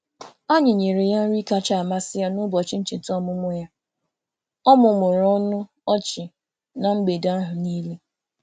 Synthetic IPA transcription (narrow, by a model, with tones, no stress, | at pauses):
a˦ɲɪ˨ɲe˨ɾe˨ja˦n̩˦ɾi˦ka˦t͡ʃa˦˨a˨ma˦sɪ˦ja˦nʊ˦bɔ˨t͡ʃɪ˦n̩˦t͡ʃɪ˨n̩˨tɔ˦mʊ˦mʊ˦ja˦ | ɔ˦mʊ˨mʊ˨ɾɔ˦nʊ˦ | ɔ˦t͡ʃɪ˨ | na˨ŋ͡m̩˦ɡ͡be˨da˦a˦ɦʊ˨niː˦le˦